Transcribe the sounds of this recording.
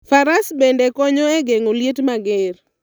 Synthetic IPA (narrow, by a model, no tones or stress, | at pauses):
faɾasbendekɔɲɔeɡeŋoljetmaɡeɾ